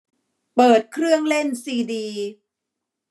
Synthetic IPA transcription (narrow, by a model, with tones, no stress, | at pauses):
pɤː˨˩t̪̚kʰɾɯ˥˩əŋle˥˩nsiː˧diː˧